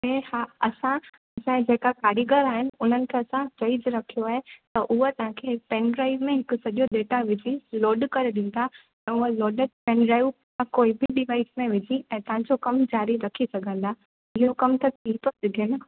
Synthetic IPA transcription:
ɛ̃ːhaːɐsã | ɐsãd͡ʑeːkakaːɾiːɡəɾaːɦɪnɪ̆ʊn̤ənɪ̆kʰeɐsãt͡ɕɐɪzɾɐkʰijoaːɦet̪ɐʔʊɦot̪ɐɦãkʰepɛːnɖɾaːɪʋmẽɦɪkʊ̆sɐʄoɗeːʈaʋɪd͡ʑʱiloːɖkɐɾeɗĩːn̆d̪ʰa | ɛ̃ːʊɦəloːɖəpɛ̃nɖɾaːɪʋ | ãkoːibʱɪɗɪʋaːɪsmẽʋɪd͡ʑʱiɛ̃ːt̪ɐɦãd͡ʑokɐmd͡ʑaːɾiɾɐkʰisɐɡʱə̃nd̪aː | ɪɦokɐmt̪ɐt̪ʰit̪osɪɡʱɪnɪ

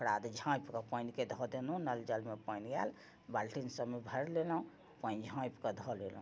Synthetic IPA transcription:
pʰɾad̪d͡ʒʱãpkɔpəjnked̪ʱɔd̪enɦũnəld͡ʒəlmepəjnɡɛ̰l | balʈinsəbmebʱəɾlelũ | pə̃nd͡ʒʱãpkɔd̪ʱɔlelɦũ

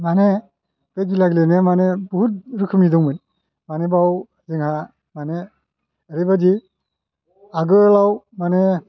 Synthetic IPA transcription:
mane | b̥eɡilaɡilenemanebuɦut̚ɾɯkʰɯmidɔŋmɯn | manebaw | zɯŋha | mane | ɾebadi | aɡɯlaw | mane

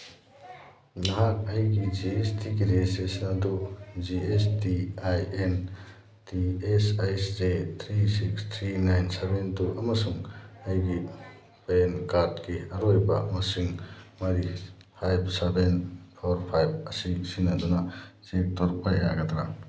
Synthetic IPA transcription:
nɐɦak̚ɐjɡid͡ʒiestiɡiɾesesnɐdud͡ʒiestiajen | tiesajszet̪ʰɾisikst̪ʰɾinajnsebentuʔɐmɐsuŋɐjɡi | pajenkatkiɐɾojbɐ̰mɐsiŋmɐɾihajbsebenpʰoɾpʰajb̚ɐsisinːɐdunɐzek̚tʰoɾpaja̰ɡɐd̪ɾa

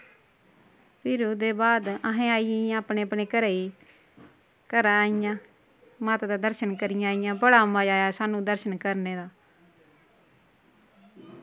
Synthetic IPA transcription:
pɪɾuːd̪eːbaːd̪aɦẽːaːiːãaːpɳeːəpɳeːkəɾaːiː | kəɾaːijãː | maːt̪d̪aːd̪əɾʃənkəɾɪjãːijãːbəɽaːmaːd͡ʒaːjaːsaːnũːd̪əɾʃənkəɾneːd̪aː

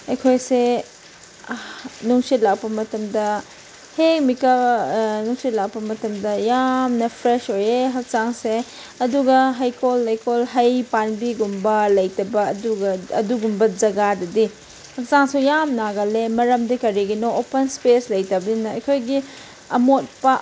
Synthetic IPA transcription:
ɐjkʰojse | nuŋsit̚lak̚pɐmɐtɐmdɐ | heŋmikɐnuŋsit̚lak̚pɐmɐtɐmdɐjamnɐpʰɾesojeɦɐk̚t͡ʃaŋse | ɐduɡɐɦɐjkolːɐjkolɦɐjpanbiɡumbɐlɐjtɐbɐːduɡɐɐ̰duɡumbɐzɐɡadɐdi | hɐk̚saŋsujamnaɡɐlemɐɾɐmdikɐɾiɡinɔopɐnspeslɐjtɐbɐinɐɐjkʰojɡi | ɐmot̚pɐ

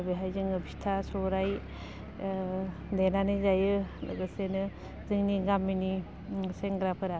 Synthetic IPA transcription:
beɦajzɯŋɯbistʰasɔɾaj | denanɯzajɯla̰ɡɯsenɯ | zɯŋniɡamːini | seŋɡɾapʰɯɾa

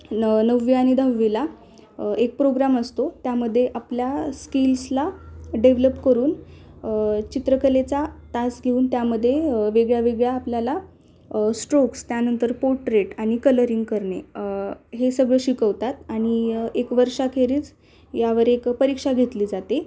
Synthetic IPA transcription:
nəʋːiaɽ̃id̪ʱəʋːila | ek̚pɾoɡɾaməst̪ot̪jaməd̪ʱːjeʔapljaskilslaɖeʋləpkəɾuːn | t͡ɕit̪ɾəkəlet͡sat̪asɡʱeuːnt̪jaməd̪ʱːjeʋeɡɭjaʋeɡɭjaːpljala | sʈɾokst̪janənt̪əɾpoɾʈɾeʈaɽ̃ikələɾiŋɡkəɾɳe | ɦesəɡɭəɕikəʋt̪at̪aɽ̃iekʋəɾʂakʰeɾiːt͡s | jaʋəɾekpəɾikʂaɡʱet̪liːd͡zat̪e

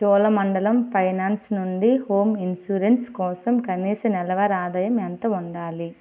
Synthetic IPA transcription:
t͡ʃɔːlɐmɐɳɖɐlɐmpʰɐjnaːnsnuɳɖihoːminsuːɾenskɔːsɐmkɐniːsɐnɛlɐʋɐɾaːd̪ɐjɐmɛnt̪ɐuɳɖaːli

